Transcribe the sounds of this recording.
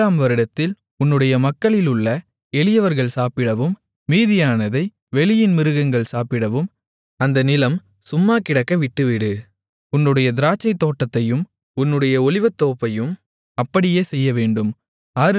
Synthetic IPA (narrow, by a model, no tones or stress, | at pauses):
aːmʋɐɾɪɽɐt̪ːɪl | ʊnːɯɽɐjɐmɐkːɐɭɪlɯɭːɐ | ɛɭɪjɐʋɐɾɣɐɭsaːpɪɽɐʋɯmː | iːðɪjaːnɐðɐɪ | ʋɛɭɪjɪnmɪɾɯɣɐŋɡɐɭsaːpɪɽɐʋɯm | ɐnd̪ɐnɪlɐm | sʊmːaːkɪɽɐkːɐʋɪʈːɯʋɪɽɯ | ʊnːɯɽɐjɐd̪ɪɾaːt͡ʃːɐɪt̪ːoːʈːɐt̪ːɐjɯm | ʊnːɯɽɐjɐɔlɪʋɐt̪ːoːpːɐjɯm | ɐpːɐɽɪjeːsɛjːɐʋeːɳɖɯm | aːɾ